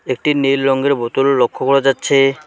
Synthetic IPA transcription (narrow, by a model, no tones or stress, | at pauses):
ek̚ʈinelːɔŋɡeɾbot̪olːokʰːokɔɽad͡ʑatːɕʰe